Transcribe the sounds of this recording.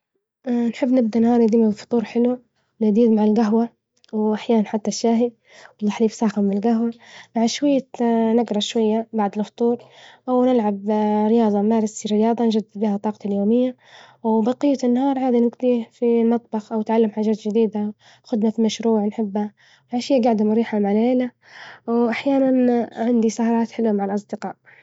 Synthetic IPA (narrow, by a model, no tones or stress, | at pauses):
ʔnħɪbːnɪb̚d̪anhɑːɾˤjɪd̪iːmabfʊ̥t̪ˤuːɾˤħɪlu | nɪd̪iːd̪maʕalɡaɦwa | wʔaħjaːnanħat̪ːaʃːaːɦi | wɪlːaħliːfsˤɑːxɪmbɪlɡaɦwamaʕaʃwajːanaɡɾˤɑʃwajːabaʕd̪ɪlft̪ˤuːɾʔawnɪlʕabɾɪjɑːðˤɑmaːlɪsiɾɪjɑːðˤɑnd͡ʒad̪ːɪd̪biːhat̪ˤːɑːqɑt̪aljoːmɪjːa | wbɑqɪjːanːhɑːɾˤʕaːd̪inɪɡd̪iːfilmɑt̪ˤbɑxʔawɪt̪ʕalːamħaːd͡ʒaːt̪d͡ʒɪd̪iːd̪a | xʊd̪nafimaʃɾuːʕnħɪbːa | wmaʕaʃɪjːaɡaʕd̪amɾiːħamaʕalʕeːla | wʔaħjaːnanʕɪnd̪isahɑɾˤɑːt̪ħɪlamaʕalʔɑsˤd̪ɪqɑːʔ